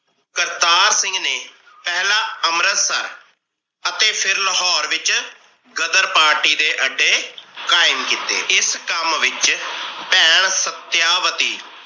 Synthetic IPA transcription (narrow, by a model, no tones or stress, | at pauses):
kəɾt̪aːɾsɪ̃ŋɡneː | pɛːlaːəmɾət̪sə̰ɾ | ət̪eːpʰɪɾləɦɔːɾʋɪt͡ʃ | ɡəd̪əɾpaːɾʈiːd̪eːʔəɖːeːkaːɪmkiːt̪ḛːɪskəmʋɪt͡ʃpɛːɳsət̪jaːʋət̪iː